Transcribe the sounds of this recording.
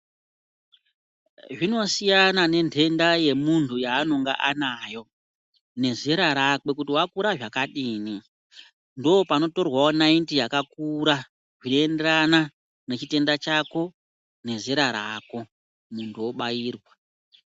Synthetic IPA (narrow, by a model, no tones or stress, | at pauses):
ʐino̞sijanane̞nde̞ndaje̞muntʰujaːno̞ŋɡa̰ʔanaːjo̞ | ne̞zeɾaɾake̞k̬utiwakuɾaʐakaɗiːni | ndoopano̞to̞rwaonaintijakakuɾa | ʐinoe̞nde̞ɾana | ne̞t͡ʃite̞ndat͡ʃako̞ | ne̞zeɾaɾaːko̞ | muntʰuwo̞ɓajiːrwa